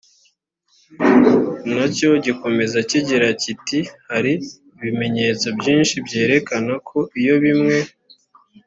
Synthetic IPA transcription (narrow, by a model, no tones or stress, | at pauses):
naco̞ɟiko̞me̞zaciɟiɾacitihaɾiː | βime̞ɲe̞ːt͡so̞bɟiːnʃibɟe̞ːɾe̞kanakʰo̞ijo̞βimŋe̞